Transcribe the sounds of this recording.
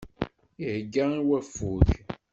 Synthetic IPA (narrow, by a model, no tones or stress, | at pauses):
ihɡːaiwæfuθ